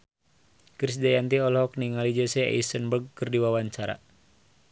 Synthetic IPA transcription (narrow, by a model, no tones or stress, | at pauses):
kɾis̬dajant̪iɔlɦɔk̚niŋalid͡ʒəsɛa̰ist̪ənbərɡ̚kɨrdiwawaɲt͡ʃaɾa̰